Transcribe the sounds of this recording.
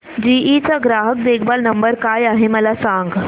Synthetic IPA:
d͡ʑiːʔit͡saɡɾaɦək̚d̪eɡbalnəmbəɾkajaɦeməlasãŋɡ

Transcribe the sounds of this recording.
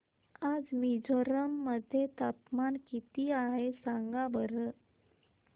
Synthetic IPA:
ad͡zmid͡zoɾəmːəd̪ʱjet̪at̪mankit̪iːaɦesaŋɡabəɾə

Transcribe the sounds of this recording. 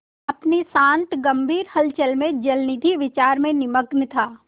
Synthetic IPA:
ɐpnisãːnt̪ɡɐmbʱiːɾhɐlt͡ʃəlmẽd͡ʒɐlnɪd̪ʱiʋɪt͡ʃaːɾmẽnɪməɡnt̪ʰaː

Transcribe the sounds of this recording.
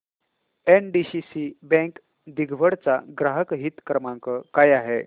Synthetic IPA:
enɖiɕisibɛ̃ŋk | d̪iɡʱʋəɽt͡saɡɾaɦəkɦit̪kɾəmãŋkəkajaɦe

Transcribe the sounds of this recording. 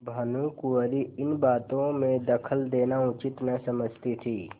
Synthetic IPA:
bʱɐnukuəɾiɪnbaːt̪õmẽd̪ɐkʰəld̪eːnaʊt͡ʃɪt̪nɐsɐməd͡ʒʱt̪it̪ʰiː

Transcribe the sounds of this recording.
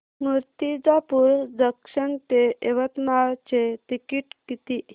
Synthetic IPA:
muɾt̪id͡zapuɾd̪əkʂənt̪eeʋət̪mat͡ɕet̪ikiʈkit̪i

